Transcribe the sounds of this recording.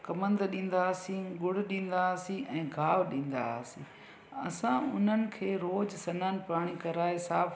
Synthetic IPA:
kɐmə̃nd̪ɗĩːn̆d̪aːsĩɡʊɽ̤ɗĩːn̆d̪asĩʔɛ̃ːɡʱaːʋɗĩːn̆d̪a̰sĩː | ɐ̰sãʊn̤ənɪ̆kʰeːɾoːd͡ʑsɐnaːnɪ̆paːɽ̃ikɐɾaːesaːf

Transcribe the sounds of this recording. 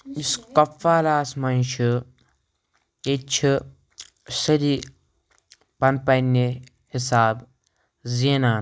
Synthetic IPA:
iskɐfːaːlaːsmɐnʃu | et͡ʃʰi | sɐɾi | pɐnpɐnːe | hisaːb | zeːnaːn

